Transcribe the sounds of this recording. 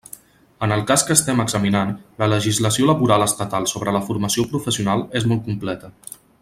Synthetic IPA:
ənəlˠkaskəːst̪ɛməɡz̥əminanlələʒizləsioləβuɾaləst̪ət̪alˠsoβɾələfuɾməsiopɾufəsiunalˠezmɔlˠt̪̚kumplɛt̪ə

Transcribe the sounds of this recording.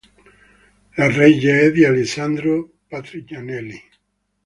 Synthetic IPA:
larɛjaɛðialesand̪ɾo | pat̪ɾikjanɛli

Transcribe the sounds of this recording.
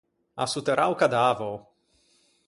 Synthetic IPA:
a̰sut̪eɾʔawkad̪aːvow

